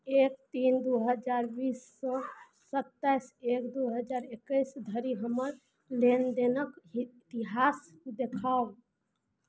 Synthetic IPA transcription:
ek̚t̪ind̪uɦəd͡ʒaɾbisːɔ | sət̪ːajsekd̪uɦəd͡ʒaɾekːəjsd̪ʱəɾiɦəməɾ | lend̪enəkt̪iɦas | d̪ekʰab

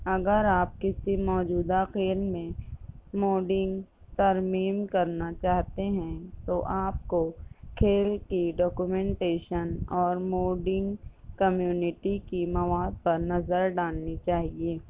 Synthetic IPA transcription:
ɐɡəɾaːp̚kɪsimɔːd͡ʒuːd̪axeːlmẽmoːɖɪ̃ŋɡ | t̪ɐɾmiːmkɐɾnat͡ʃaːɦt̪eɦɛ̃t̪oʔaːp̚kokʰeːlkiɖɔːkumɛ̃ːɳʈeːʃənɔːɾmoːɖɪ̃ŋɡkɐmjuːnɪʈikimɐʋaːd̪̚pɐɾnɐzəɾɖaːlnit͡ʃaːɦieː

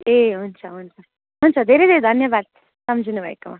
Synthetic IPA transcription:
eɦunt͡ʃʰaɦunt͡ʃʰa | ɦunt͡ʃʰad̪ʱeɾed̪ʱeɾed̪ʱʌnjəbaːd̪̚ | sʌmd͡ʒʱinubʱajkoma

